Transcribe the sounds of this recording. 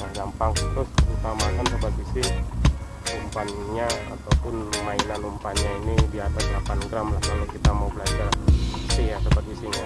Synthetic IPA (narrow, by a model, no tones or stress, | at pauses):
ŋaɡampaŋt̪ɾʊsut̪amakansəbərt̪̚isɪh | lumpanɲaa̰t̪awpʊnmainanlumpanɲainidiat̪asdəlapanɡɾamlahkalokit̪amaubəlad͡ʒarsɪhjasəbərt̪̚isiɲa